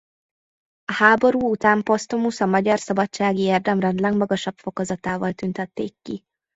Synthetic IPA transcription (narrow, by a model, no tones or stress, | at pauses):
ɒhaːbo̞ɾuːut̪aːmpo̞st̪omusɒmɒɟɒrsɒbɒt͡ʃt͡ʃaːɡieːrd̪ɛmrɛnd̪lɛɡmɒɡɒʃɒbfo̞kɒzɒt̪aːvɒlt̪ynt̪ɛt̪ːḛːkːi